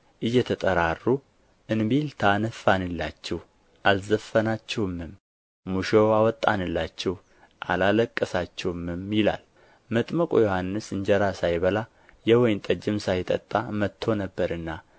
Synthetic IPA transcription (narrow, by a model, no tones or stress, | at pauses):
ʔɨjːɛt̪ʰət̪ʼəɾarːu | ʔɨnbilt̪ʰanəfanɨlːat͡ʃːɛw | ʔalzəfənat͡ʃːɛwɨmɨmː | uʃowawɔt̪ʼːanɨlːat͡ʃːɛw | ʔa̰laləkʼːəsat͡ʃːɛwmɨmjɪla̰l | mət̪ʼməkʼojo̞hanːɨsɨɲd͡ʒɛɾasajβəla | jɛwɔjnt̪ʼəd͡ʒɪmsajt̪ʼə̰t̪ʼːamət̪ʰːo̞nəbːəɾɨnːa